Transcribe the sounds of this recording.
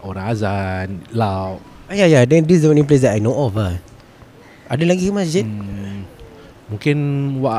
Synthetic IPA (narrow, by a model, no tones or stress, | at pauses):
ʔoɾãazanla | ajajadɛ̃ndiswãnĩnp̬les̬dɛʔajnõʔɔfa | adəlaɡikəmasd͡ʒit | muŋkɪnwa